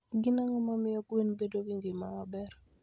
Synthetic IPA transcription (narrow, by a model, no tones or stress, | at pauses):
ɡɪnaŋɔmamɪɔkwenbedoɡɪŋɡɪmaŋɔbɛɾ